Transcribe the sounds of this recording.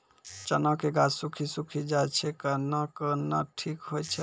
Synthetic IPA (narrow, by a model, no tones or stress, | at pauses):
t͡ʃənəkeɡasukʰisukʰid͡ʒajt͡ʃʰɛkənəkənəʈʰikɦojt͡ʃʰɛ